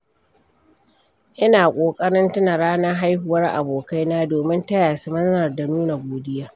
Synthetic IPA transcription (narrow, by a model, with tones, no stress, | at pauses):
ʔɪ˦naː˨kʷʼoː˨kʼɐ˦ɽɪ˦ntʊ˦na˨ɽaː˦naː˦ɦa˦jɦʊ˨wɐ˦rʔa̰˨boː˨ka˦jnaː˦doː˨mɪ˦ntɐ˦jaː˨su˦mɐ˦znɐ˨rda˨nuː˦na˨ɡʷoː˨dɪ˦jaː˦